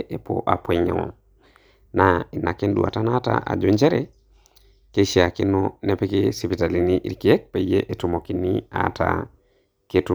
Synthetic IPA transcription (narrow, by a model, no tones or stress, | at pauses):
ʔepo̰ʔapwɛɲa̰ɔ̰ | nainakendua̰tanata̰ʔa̰d͡ʒuɲd͡ʒɛɾɛ | keʃiakinɔnɛpɛkesipitaliniʔḭɾkiɛk̚pejeʔetumokinia̰ta̰ | ketu